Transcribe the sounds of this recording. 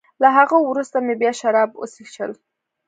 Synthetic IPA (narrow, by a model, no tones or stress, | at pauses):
laɦaɣowɾust̪amebjɑʃaɾɑb̚o̰sixʃə̰l